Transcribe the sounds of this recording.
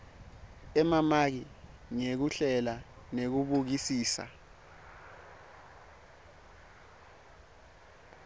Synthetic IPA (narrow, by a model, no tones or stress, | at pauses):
ɛmamak̬i | ŋek̬uɬɛla | nek̬uɓuk̬isiːsa̰